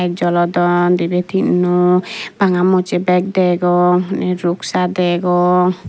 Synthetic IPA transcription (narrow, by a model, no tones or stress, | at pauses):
jk̚d͡ʒɔlɔd̪ɔnd̪ibet̪ʰinɔb̥aŋamɔt͡ʃebɛk̚d̪ɛɡɔnɛɾuksad̪ɛɡɔ